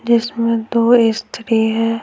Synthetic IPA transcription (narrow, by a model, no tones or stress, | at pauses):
d͡ʒɪsmẽd̪oːɪst̪ɾiɦɛː